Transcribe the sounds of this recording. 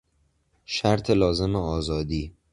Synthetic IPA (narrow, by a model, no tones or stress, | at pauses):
ʃæɾt̪ʰelɒːze̞meɒːzɒːd̪iː